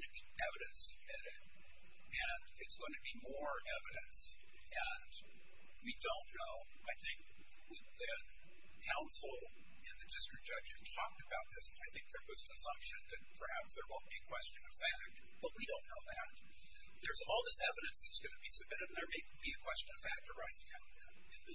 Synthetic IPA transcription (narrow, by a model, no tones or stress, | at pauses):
nɨbi | ɛvɨɾɨ̃nsɨb̥̚mɪɾɪd | ɨ̃n | ɨtsɡ̥oʊɪ̃ŋtʰɨbimɔɹɛvɨɾɨ̃ns | ɨ̃n | widõʊ̃nːoʊ | aɪθɪ̃ŋk̚ | wɪ | ɨ | kʰãʊ̃nsl̩ˠ | ɪ̃nðɨdɪstɹ̥ɨk̚d̥ʒ̥ʌ̥ʒ̥ɨ̥tʰɔk̚tɨbaʊt̪̚ðɪsaɪθɪ̃ŋk̚ðə˞wʌznɨsʌ̃mpʃɨ̃nðɨt̚pʰə˞hæpsðə˞wõʊ̃n̚b̥iɨkʰw̥ɛst͡ʃɨ̃nʌv̥fæk̚t̚ | b̥ʌt̚widõʊ̃nːoʊðæt̚ | ðə˞zɔlˠðɪsɛvɨɾɨ̃nsðɨtsɡ̥ʌnɨbisɨb̚mɪɾɨɾn̩ðə˞meɪb̥iɨkʰw̥ɛst͡ʃɨ̃nʌv̥fæk̚təɹaɪzɪ̃ŋaʊt̪̚ðæt